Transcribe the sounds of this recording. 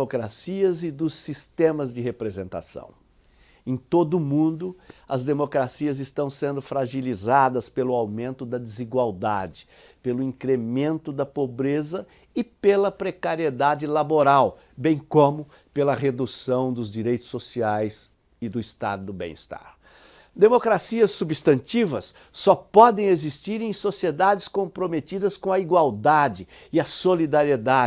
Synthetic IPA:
okɾasiɐzɪd̪ʊsist̪ẽmɐzd͡ʒɪɦepɾezẽnt̪a̰sɐ̰̃w̃ | ẽj̃t̪od̪ʊmũnd̪ʊɐzd̪emokɾasiɐzɪst̪ɐ̃w̃sẽnd̪ʊfɾaʒilizad̪ɐspelʊawmẽnt̪ʊd̪ɐd͡ʒ̪ɪziɡwawd̪ad͡ʒɪ̥ | pelʊĩŋkɾemẽnt̪ʊd̪ɐpobɾezɐ | ɪpelɐpɾekaɾied̪ad͡ʒɪlaboɾaw | bẽj̃kõmʊ | pelɐɦed̪usɐ̃w̃d̪ʊzd͡ʒiɾejt̪ʊ̥sːosiajs | ɪd̪ʊist̪a̰d̪ʊd̪ʊbḛ̃ist̪a̰ɾ | d̪emokɾasiɐsːubist̪ɐ̃nt͡ʃivɐsː | ɔpɔd̪ẽj̃ezist͡ʃiɾẽj̃sosied̪ad͡ʒɪskõmpɾomet̪id̪ɐskõɐiɡwawd̪ad͡ʒɪ | ɪɐsolid̪aɾied̪a

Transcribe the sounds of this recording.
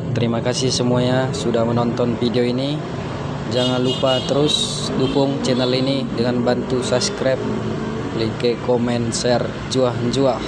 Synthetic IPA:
t̪əɾimakasɪhsəmuaɲasudahmənɔnt̪ɔnfideoini | d͡ʒaŋanlupat̪əɾʊs | dukʊŋt͡ʃɛnalinidəŋanbant̪usaskɾap̚ | likɛkomɛnsɛr | d͡ʒuahɲd͡ʒuah

